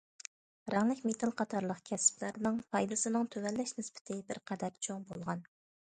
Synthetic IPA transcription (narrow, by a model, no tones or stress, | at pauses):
ɾɑŋlˠɪkʲmet̪ʰɑlˠqʰɑt̪ʰɑɾlˠəqkʲʰɛsɪ̥plæɾnɨŋpʰɑjd̪ɨsɨnɨŋt̪ʰøwɛlːɛʃnɪspɪ̥t̪ʰɪbɪɾqʰɛd̪ɛɾt͡ʃʰoŋbolˠʁɑn